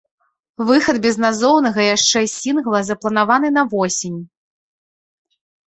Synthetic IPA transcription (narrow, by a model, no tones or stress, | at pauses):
vɨxɐd̪bʲɛznazɔwnɐɣɐjaʂt͡ʂɛsʲinɣlˠɐzɐplˠɐnavanɨn̪ɐvɔsʲinʲ